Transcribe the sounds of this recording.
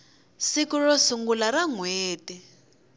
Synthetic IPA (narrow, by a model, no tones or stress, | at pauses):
sikurɔsuŋɡulaɾaŋweːtʼi